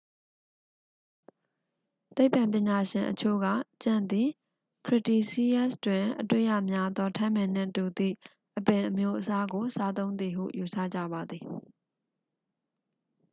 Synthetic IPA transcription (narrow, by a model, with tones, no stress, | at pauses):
t̪e˦ɪpã˨mp̬jɪ̃˨ɲa˨ʃɪ̃˨ʔət͡ɕʰo̰˦˨ɡä̰˦˨t͡ɕã˦˨nd̪i˨ | kʰɹɪ˦˨ti˨si˦ja˦stwɪ̃˨ʔətwḛ˦˨ja̰˦˨mja˦d̪ɔ˦tʰã˦mɛ̃˨n̥ɪ̰̃˦˨tu˨d̪ḭ˦˨ | ʔəpɛ̃˨ʔəmjo˦ʔəsa˦ɡo˨sa˦t̪õ˦ʊ̃nd̪ði˨ɦṵ˦˨ju˨sʰä̰˦˨d͡ʑä̰˦˨ba˨d̪ði˨